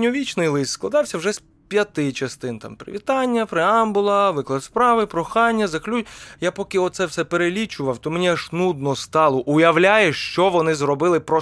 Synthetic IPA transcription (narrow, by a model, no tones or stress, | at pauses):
nʲɔʋʲit͡ʃnɪjlˠɪst̪sklˠɐd̪ɑwsʲɐwʒɛs | pʲjɐt̪ɪt͡ʃɐst̪ɪnt̪ɑ̰mpɾɪ̰ʋʲit̪ɑnʲːɐpɾɪɑmbʊlˠɐʋɪklˠɐd̪spɾɑʋɪpɾɔxɑnʲːɐzɐklʲujapɔkɪɔt̪t̪sɛwsɛpeɾelʲit͡ʃʊʋɐwt̪ɔmenʲiɐʃnud̪̚nɔst̪ɑlˠɔʔʊjɐwlʲajɛʃt͡ʃɔʋɔnɪzrɔbɪlˠɪpɾɔ